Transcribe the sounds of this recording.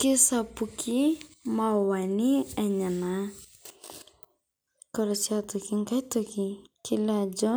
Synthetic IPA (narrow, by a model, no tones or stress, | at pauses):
kɪsapukʰimawaniɛɲana | kɔɾɔsiat̪ɔkiŋkajt̪ukikilad͡ʒɔ